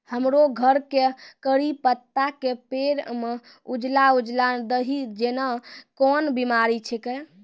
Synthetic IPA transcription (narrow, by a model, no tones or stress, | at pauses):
həmɾoɡʱəɾkekəɾipət̪ːakepeɾme | ud͡ʒlaud͡ʒlad̪əɦid͡ʒenakɔnbimaɾit͡ʃʰɛke